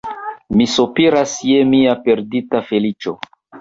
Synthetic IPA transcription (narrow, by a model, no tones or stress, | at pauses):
misopiɾasjemiape̞ɾditafe̞lit͡ʃo̞